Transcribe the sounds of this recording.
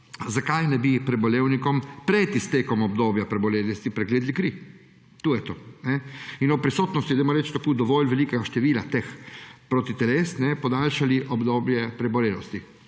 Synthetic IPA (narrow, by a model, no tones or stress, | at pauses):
zakajnɛbipɾɛbɔleːwnikɔmpɾɛt̪ist̪eːkɔmɔbd̪oːbjapɾɛbɔleːlist̪ipɾɛɡleːd̪likɾi | t̪uːjɛt̪oːnɛinɔpɾisoːt̪nɔst̪jid̪ɛmɔɾɛt͡ʃt̪akoːd̪ɔʋoːlʋɛliːkɛɡaʃt̪ɛʋiːlat̪expɾot̪it̪ɛleːsnɛpɔd̪alʃaliʔɔbd̪oːbjɛpɾɛbɔleːlɔ̰st̪i